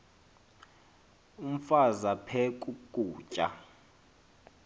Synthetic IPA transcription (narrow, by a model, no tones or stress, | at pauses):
um̩fazapʰɛkʼukʼuːt͡ʃʼa̰